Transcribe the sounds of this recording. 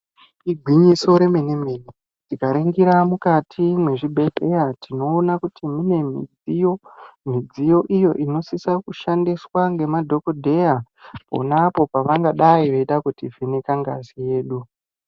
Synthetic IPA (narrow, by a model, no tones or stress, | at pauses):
iɡʱwiɲiso̞ɾe̞menemeːne | tikaɾeŋɡiɾamukatʰimwe̞ʐibʱeɬejatʰino̞ːnakutimune̞mḭd͡ziomid͡zijo̞ʔijo̞̰ʔino̞sisakuʃandiswaŋɡe̞madʱo̞kodʱe̞ja | po̞̰napo̞paʋaŋɡaɗaiʋe̞iɗakutivenekaŋɡa̰sije̞ːɗu